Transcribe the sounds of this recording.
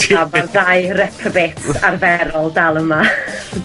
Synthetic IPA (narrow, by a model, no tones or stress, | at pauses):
arðajrɛpʰrəvetʰarvɛɾɔlˠdalˠəma